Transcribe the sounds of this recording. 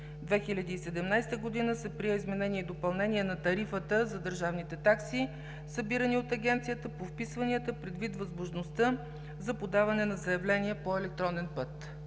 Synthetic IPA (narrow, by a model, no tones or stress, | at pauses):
d̪vɛxilʲɐd̪iːsɛd̪ɛmnajst̪əɡod̪inəsɛpɾiɛizmɛnɛniɛid̪opɐlˠnɛniɛnɐt̪ɐɾifət̪əzɐd̪əɾʒavnit̪ɛt̪aksi | səbiɾəniot̪ɐɡʲɛnt̪sijət̪əpofpisvɐniət̪əpɾɛd̪vit̪vɐzmoʒnost̪ə | zɐpod̪avɐnɛnɐzɐjɛvlɛniɛpoɛlɛk̚t̪ɾɔnɛnpɤt̪